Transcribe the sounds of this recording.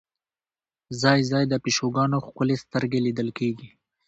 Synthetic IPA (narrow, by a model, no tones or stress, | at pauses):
zɑjzɑjd̪əpiʃoɡɑnoxkʊlest̪əɾɡelid̪əlkeɡi